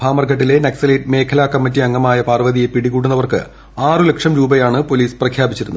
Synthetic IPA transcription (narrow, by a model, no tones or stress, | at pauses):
bʱaːmɐrɡɐʈːile̞neksɐlɐjtme̞ːkʰɐlaːkːɐmːɐtːiɐŋːɐmaːjɐpaːrʋɐðijepiɽiɣuːʈ̬ːunːɐʋɐrkɨ̰ | aːrɨlekʂɐmɾuːbɐjaːɳɨpo̞liːsprɐkʰjaːbit͡ɕːiɾunːu